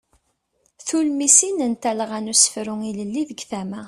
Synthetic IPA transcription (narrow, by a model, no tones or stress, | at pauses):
θulmisinənt̪æləʁænusə̥fɾʊŋiləlːiðəɡθæmæ